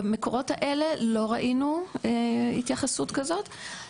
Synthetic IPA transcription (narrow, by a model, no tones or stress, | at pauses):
meko̞ʁo̞thaʔe̞le̞lo̞ʁaʔinu | ḭt̪jaχasutkazo̞t̪